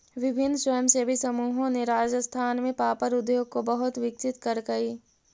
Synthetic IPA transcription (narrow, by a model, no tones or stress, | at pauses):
ʋɪbʱɪnːswəjəmsebʱisɐmuːɦõneɾaːd͡ʒəst̪ʰaːnmẽpaːpəɾʊd̪joːɡ̚kobɐɦʊt̪ʋɪk̚t͡ʃɪt̪kɐɾkɐiː